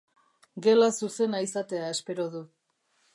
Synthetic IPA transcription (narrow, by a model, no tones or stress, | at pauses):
ɡe̞lasuse̞naisat̪e̞ae̞spe̞ɾo̞ðu